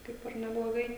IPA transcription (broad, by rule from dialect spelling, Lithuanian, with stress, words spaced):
ˈkɐɪp ɪr nʲɛblˠoːˈɡɐɪ